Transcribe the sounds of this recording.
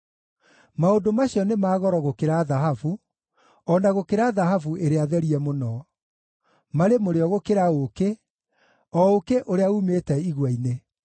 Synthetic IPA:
maondomaɕjɔnemaːɣɔɾɔɣokeɾaðaɦavu | ɔnaɣokeɾaːðaɦavuʔeɾeaðɛɾiɛmonɔ | maɾemoɾeɔɣokeɾaoke | ɔokeʔoɾeaumetɛiɣwaine

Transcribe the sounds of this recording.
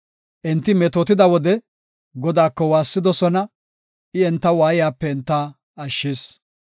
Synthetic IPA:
ʔɛnt̪ːɪmɛt̪oːt̪ɪd̪ɐwɔd̪ɛ | ɡɔd̪aːkːɔwaːsːɪd̪ɔsɔnɐ | ɪɛnt̪ːɐwaːjɪjaːpːɛɛnt̪ːaː | ɐʃːɪːs

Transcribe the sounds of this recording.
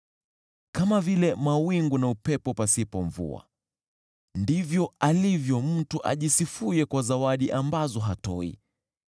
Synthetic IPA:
kamavilɛmawiŋɡunaupɛpɔpasipɔɱvṵa̰ | ndivjɔalivjɔm̩tuʔa̰ʄisifujɛkwazawaɗiʔambazɔɦatɔḭ

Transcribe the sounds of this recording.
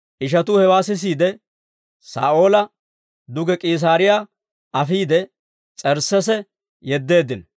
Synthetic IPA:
ʔɪʃ̬ɐt̪ʊhɛwaːsɪs̬iːd̪ɛ | sa̰ːʔo̞ːlɐ | d̪ʊɡɛkʼiːs̬aːɾɪjaː | ɐfiːd̪ɛ | t͡sʼɛɾsːɛsɛ | jɛd̪ːe̞ːd̪ɪn

